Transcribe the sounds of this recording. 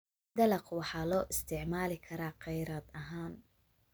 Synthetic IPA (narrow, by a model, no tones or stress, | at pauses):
d̪ɐlɐqwɑħɑːlɔːʔɪst̪ʰɪʕmaːlɪkʰɐɾaːqɑjɾaːd̪ɐɦaːn